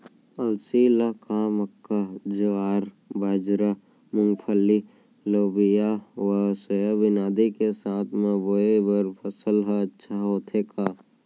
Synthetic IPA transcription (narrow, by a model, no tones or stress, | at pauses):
əlsilakaməkːad͡ʒoaːɾ | baːd͡ʒɾa | mʊŋɡpʰəli | loːbijawasəjəbɪnaːd̪ikesaːt̪ʰmẽboebəɾpʰəsəlɦəətːʃʰaɦoːt̪ʰeːkaː